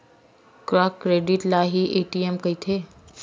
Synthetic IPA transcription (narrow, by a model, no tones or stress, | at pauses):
kɾakːɾeːɖiʈlaːɦiʔeʈiemkəit̪ʰeː